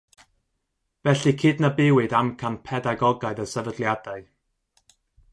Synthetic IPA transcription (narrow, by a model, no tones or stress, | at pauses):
vɛɬikʰɨːdnabɪwɨdamkʰanpʰɛdaɡɔɡaɨðəsəvədlˠjadaɨ